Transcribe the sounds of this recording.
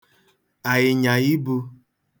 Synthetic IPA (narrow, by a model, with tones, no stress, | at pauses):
a˨jɪ˨ɲa˨i˦bo˧